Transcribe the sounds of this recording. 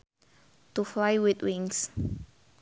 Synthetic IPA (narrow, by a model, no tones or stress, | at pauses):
tuflajwitwĩŋs